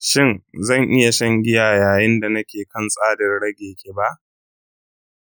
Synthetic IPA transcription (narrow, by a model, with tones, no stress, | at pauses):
ʃɪ˦˨nzɐ˦˨ŋʔɪ˦ja˨ʃɐ˦ŋɡʲɪ˦jaː˨jaː˨jɪ˦nda˨nɐ˦kʲeː˨kɐ˦˨nsʼaː˦dɐ˨rɽɐ˦ɡʲeː˨kʰʲeː˨ba˦ʔ